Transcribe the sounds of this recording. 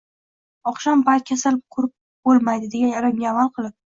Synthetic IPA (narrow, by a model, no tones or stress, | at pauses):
ɒχʃambat̪̚kʲʰasalɪp̚qʰʊɾɪp̚ | b̥olˠmajd̪ɪd̪e̞ɡʲanɒɾɪmɡʲaavalˠqʰɨlˠɪp̚